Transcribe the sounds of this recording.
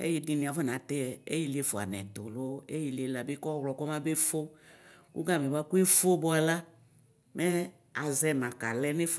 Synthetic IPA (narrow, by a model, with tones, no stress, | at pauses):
ḛ˦ji˦di˨nĩ˨a˨vɔ˦n˨ã˨t̪e˦ɛ˨ḛ˦ji˦le˦fo˨a̰˨nɛ̰˨d̪o˨lo˦e˦ji˨le˨la˨be˦kɔ˦wlɔ˨kɔ˦mã˦be˦fo˦kṵ˦ɡa˦˨me˨ba˦ku˦e˦fo˦bɔ˦a˨la˦ | mɛ˦ | a˨zɛ˦mã˨ka˨lɛ˦ne˦f